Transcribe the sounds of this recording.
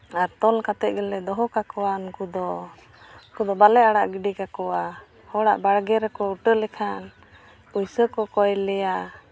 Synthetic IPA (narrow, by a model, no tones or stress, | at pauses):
aɾt̪ɔlkat̪ɛʔ̚ɡɛlɛd̪ɔɦɔkakɔwankud̪ɔ | kud̪ɔbalɛaɽaʔɡiɖikakɔwa | hɔɽa̰ʔbaɽɡɛɾɛkɔuʈəlɛkʰan | ujsəkɔkɔjlɛja